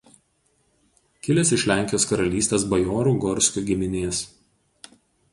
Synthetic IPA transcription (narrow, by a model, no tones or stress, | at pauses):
kʲɪlʲesɪʃʲlʲæˑŋʲkʲɪjoːskɐɾɐlʲiːsʲt̪ʲeːsbɐjoːɾuːɡɔɾʲsʲkʲuːˑɡʲɪmʲɪnʲeɛs